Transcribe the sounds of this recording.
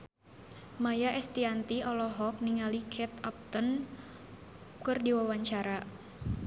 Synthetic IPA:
majaʔɛst̪iant̪iʔɔlɔɦɔk̚niŋalikʰɛt̪ap̚t̪ən | kɨrdiwawaɲt͡ʃaɾa

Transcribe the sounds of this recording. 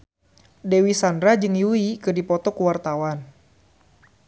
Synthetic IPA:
dewisandɾad͡ʒɨŋjuikɨrdipɔt̪ɔkuwart̪awan

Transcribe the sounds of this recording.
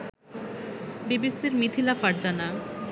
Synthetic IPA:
bibesiɾmit̪ʰilafaɾdana

